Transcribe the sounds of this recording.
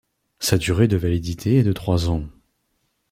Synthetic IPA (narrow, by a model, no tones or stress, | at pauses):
sad̪yʁed̪əvalid̪it̪ʰeɛd̪ət̪χwazɑ̃